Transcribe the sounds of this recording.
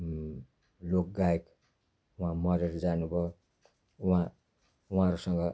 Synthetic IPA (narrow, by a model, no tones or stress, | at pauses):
lok̚ɡaek | uɦãmʌɾeɾd͡zanubʱʌ | uɦã | uɦãɾusʌŋɡʌ